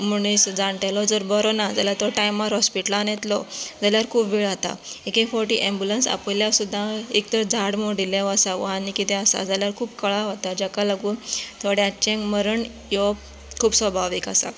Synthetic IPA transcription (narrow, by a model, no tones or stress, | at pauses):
muɳ̃isd͡zaɳʈ̪elɔd͡zəɾbəɾɔnad͡zaljat̪ɔʈajmːaɾɦɔspiʈlanjet̪lɔd͡zaljaɾkʰuːpʋiɭat̪a̰ekĩfɔɾʈiʔẽmbjulənsa̰pljasud̪ʱːãek̚t̪əɾd͡zʱaɽmoɽileʋasaʋə̰ɦanikit̪ɛ̃asa̰d͡zaljaɾkʰuːpkəɭaɦot̪ad͡ʑakalaɡuːnt̪ʰoɽjat͡ɕẽkməɾəɳ | jɔ | kʰuːpsʋəbʱaʋikasa̰